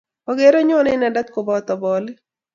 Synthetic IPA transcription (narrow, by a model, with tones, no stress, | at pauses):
o˨ɡe˦ɾo˦ɲɔ˦nɪ˦na˨da˦t̪̚ko˨bɔ˦t̪ɔ˨bɔ˨lɪ˦